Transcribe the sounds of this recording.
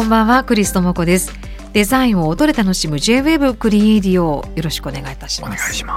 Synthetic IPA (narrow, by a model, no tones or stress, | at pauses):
kõ̞mbãɰ̃βakɯ̟ɾʲisɨ̥t̪o̞moko̞d̪e̞sɨ̥ | d̪̥e̞zaĩɰ̃o̞ːd̪o̞ɾet̪ano̞ɕimɯ̟ʑe̞ːβe̞bɯ̟kɯ̟ɾʲieɾʲio̞jo̞ɾo̞ɕi̥kɯone̞ɡait̪ḁɕi̥mas